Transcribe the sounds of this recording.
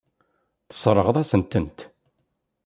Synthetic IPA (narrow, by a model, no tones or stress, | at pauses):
θə̥sˤɾˤəʁðˤæsənt̪ənt̪